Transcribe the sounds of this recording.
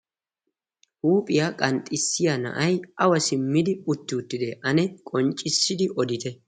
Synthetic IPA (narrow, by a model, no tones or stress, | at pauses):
ʔuːpʼɪjaːkʼɐnt̪ʼːɪsːɪjanɐ̰ʔɐjʔɐwɐsɪmːɪd̪ɪʊt̪ːɪʊt̪ːɪd̪ɛʔɐnɛkʼɔnt͡ʃʼːɪsːɪd̪ɪʔɔd̪ɪt̪ɛ